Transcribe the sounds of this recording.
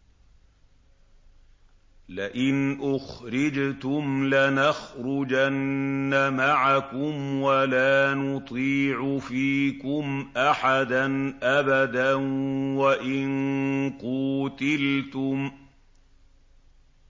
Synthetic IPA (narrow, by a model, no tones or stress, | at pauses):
lɪʔɪnʔʊxɾɪd͡ʒt̪ʊmlɪnaxɾʊd͡ʒanːamaʕakʊmwalaːnʊt̪ˤiːʕʊfiːkʊmʔaħad̪anʔabad̪anwaʔɪnquːt̪ɪlt̪ʊm